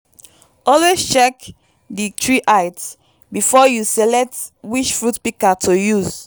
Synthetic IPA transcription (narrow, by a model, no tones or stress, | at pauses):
ɔlest͡ʃɛk | ditʰɹiʔaɪt | bifɔjusɛlɛk̚twiʃfɹutpikatʰojuz